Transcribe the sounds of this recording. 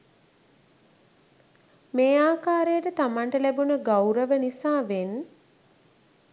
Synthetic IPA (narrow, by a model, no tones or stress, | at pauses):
meːaːkaːɾejəʈət̪amanʈəlæbunəɡawɾəʋənisaːʋen